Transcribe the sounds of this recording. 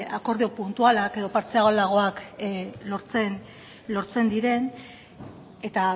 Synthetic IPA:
ako̞ɾðio̞punt̪ualake̞ðo̞paɾt͡seaɣolaɣ̞o̞aklo̞ɾt͡sen | lo̞ɾt͡se̞nd̪iɾe̞n | e̞t̪a

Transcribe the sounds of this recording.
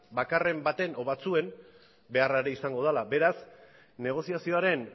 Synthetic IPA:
bakare̞mbat̪e̞no̞βat͡sue̞m | be̞araeɾeisaŋɡo̞ð̞alabe̞ɾas | ne̞ɣ̞o̞siasio̞aɾe̞n

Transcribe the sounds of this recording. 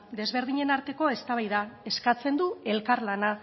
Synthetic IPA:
d̪e̞zβ̞e̞ɾðiɲe̞naɾt̪e̞ko̞e̞st̪aβajðae̞skat͡se̞nd̪ue̞lkaɾlana

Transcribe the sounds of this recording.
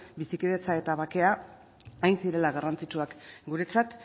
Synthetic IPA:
bisikið̞et͡sae̞t̪aβake̞a | ajnsiɾe̞laɣarant͡sit͡ʃuakɡuɾe̞t͡sat̪

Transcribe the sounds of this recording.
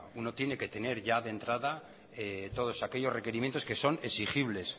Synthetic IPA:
uno̞t̪je̞ne̞ke̞t̪e̞ne̞ɾʝaðe̞nt̪ɾaða | et̪o̞ðo̞sake̞ʎo̞zre̞ke̞ɾimjent̪o̞ske̞so̞ne̞sixiβle̞s

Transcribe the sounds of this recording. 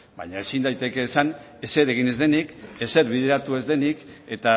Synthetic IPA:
ba̰ɲae̞sind̪ajt̪e̞ke̞ːsan | e̞se̞ɾe̞ɣ̞inezðe̞nike̞se̞ɾβiðe̞ɾat̪ue̞zðe̞nike̞t̪a

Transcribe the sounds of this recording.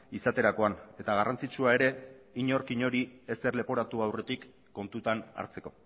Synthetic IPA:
isat̪e̞ɾako̞ane̞t̪aɣ̞arant͡sit͡ʃuae̞ɾe̞iɲo̞ɾkiɲo̞ɾiese̞rle̞po̞ɾat̪uawre̞t̪ikː | o̞nt̪ut̪ana̰ɾt͡se̞ko̞

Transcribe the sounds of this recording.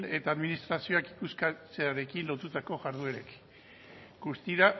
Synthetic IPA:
ne̞t̪aːðminist̪ɾasio̞akikuskat͡se̞aɾe̞kinlo̞t̪ut̪ako̞ɣaɾðue̞ɾek | ɡust̪iɾa

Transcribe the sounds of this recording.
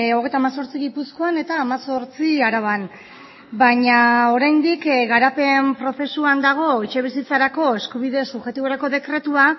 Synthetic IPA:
o̞ɣ̞e̞jt̪amaso̞ɾt͡siɣ̞ipusko̞ane̞t̪aːmaso̞ɾt͡siaɾaβan | baɲao̞ɾajnd̪ikɣaɾape̞mpɾo̞fe̞suand̪aɣ̞o̞it͡ʃe̞β̞isit͡saɾako̞e̞skuβ̞iðe̞suβʝe̞t̪iβo̞ɾako̞ðe̞kɾe̞t̪ua

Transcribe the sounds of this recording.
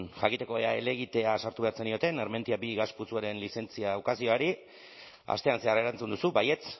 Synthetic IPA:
nʝakit̪e̞ko̞eae̞̰leɣ̞it̪e̞asaɾt̪uβe̞aɾt͡se̞nio̞t̪e̞neɾme̞nt̪iabiɣasput͡suaɾe̞nlise̞nt͡siaːukasio̞aɾi | a̰st̪e̞anse̞aɾeɾant͡sund̪usubaje̞t͡s

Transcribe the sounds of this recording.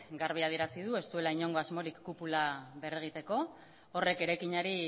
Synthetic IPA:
ɡaɾβ̞iaðieɾasið̞ue̞st̪ue̞laiɲo̞ŋɡo̞azmo̞ɾikːupulaβereɣ̞it̪e̞ko̞ː | re̞ke̞ɾajkiɲaɾi

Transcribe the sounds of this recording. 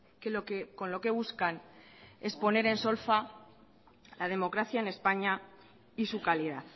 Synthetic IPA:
kelokeko̞nlo̞ke̞βuskane̞spo̞ne̞ɾe̞nso̞lfa | lað̞e̞mo̞kɾaθjaene̞spaɲa | isukaliðaθ

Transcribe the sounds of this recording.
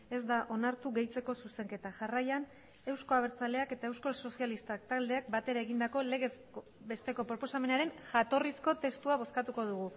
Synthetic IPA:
e̞zd̪aʔo̞naɾt̪uɣe̞jt͡se̞ko̞suse̞ŋke̞t̪aʝarajan | e̞wsko̞aβ̞e̞ɾt͡sale̞ake̞t̪aewsko̞lsosialist̪ak̚t̪ald̪e̞ak̚bat̪e̞ɾae̞ɣind̪ako̞le̞ɣe̞s | o | be̞st̪e̞ko̞pɾo̞po̞same̞naɾe̞nʝat̪o̞risko̞t̪e̞st̪uaβ̞o̞skat̪uko̞ð̞uɣ̞u

